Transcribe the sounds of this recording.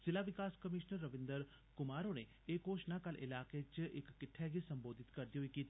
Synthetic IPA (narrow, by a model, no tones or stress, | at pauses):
sɪlaːʋɪkaːskəmɪʃnəɾːəʋɪ̃nd̪əɾ | kʊmaːɾoːneː | eːkoːʃnaːkəlɪ̰laːkeːt͡ʃɪkːɪʈʰːɛːɡisəmboːd̪ɪt̪kəɾd̪iːɦoiːkiːt̪